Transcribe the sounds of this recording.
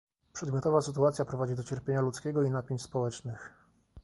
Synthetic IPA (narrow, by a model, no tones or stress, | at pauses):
pʂɛd̪mʲjɔt̪ɔvasɘt̪uat̪sʲjapɾɔvad͡ʑid̪ɔt͡ɕɛɾpʲjeɲalut̪skʲɛɡɔinapʲjeɲt͡ɕspɔwɛt͡ʂnɘx